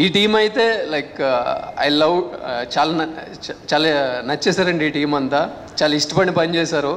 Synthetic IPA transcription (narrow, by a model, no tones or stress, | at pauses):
iːʈiːmɐjit̪e̞ːlɐjkɐ̰jlɐwʈt͡ʃaːlan | t͡ʃaːlanɐt͡ʃːɛːsaːɾɐɳɖiːʈiːmɐnt̪a | t͡ʃaːlaːisʈɐpɐɳipɐnt͡ʃɛːsaːɾu